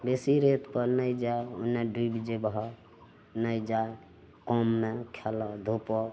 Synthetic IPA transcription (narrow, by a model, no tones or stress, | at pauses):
besiɾet̪pəɾnəjd͡ʒajo̰neɖibd͡ʒebɦɔ | nəjd͡ʒae | kɔmːekʰelɔd̪ʱopɔ